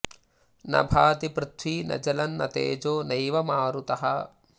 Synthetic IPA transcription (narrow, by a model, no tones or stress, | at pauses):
nɐ̰bʱaːt̪ipɾɪt̪ʰʋiːnɐ̰d͡ʒɐlɐnːɐt̪ḛːd͡ʒoːnɐjʋɐmaːɾut̪ɐɦɐ